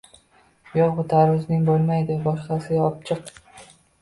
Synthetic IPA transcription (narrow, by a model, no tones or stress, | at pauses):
jɒʁʊt̪ʰaɾʊznɪŋbolˠmajd̪ɪbɒʃqɑsɪɒp̚t͡ʃʰɨq